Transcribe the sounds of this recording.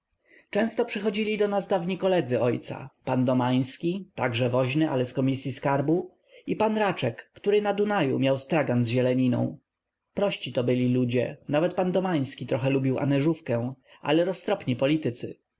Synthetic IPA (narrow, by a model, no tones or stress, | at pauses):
t͡ʂɛ̃st̪ɔpʂɘxɔd͡ʑilʲid̪ɔnasd̪avɲikɔlɛd̪zɘɔjt̪sa̰pand̪ɔmaj̃skʲit̪aɡʐɛvɔʑnɘʔa̰lɛskɔmʲisʲjiskaɾbu | ipanɾat͡ʂɛkːt̪uɾɘnad̪unajṵmʲjawst̪ɾaɡanzʑɛlɛɲinɔ̰̃w̃ | pɾɔɕt͡ɕit̪ɔbɘlʲilud͡ʑɛ̰navɛt̪̚pand̪ɔmaj̃skʲit̪ɾɔxɛlubʲiwa̰nɛʐufkɛw̃ʔa̰lɛɾɔst̪ɾɔpɲipɔlʲit̪ɘt̪sɘ̰